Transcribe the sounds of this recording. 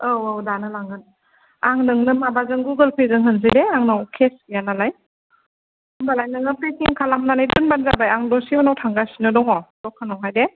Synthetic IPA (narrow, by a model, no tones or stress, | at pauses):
awawdanɯlaŋɯn | aŋnɯŋnɯmabazɯŋɡuɡəlpʰezɯŋɦɯnz̬ɯdeaŋnawkʰesjanalaj | mbalajnɯŋɯpesiŋkʰalamnanajdunbanzabajaŋdɔsiɔnawtʰaŋɡasinɯdɔŋɔdɔkʰːanɔwɦajde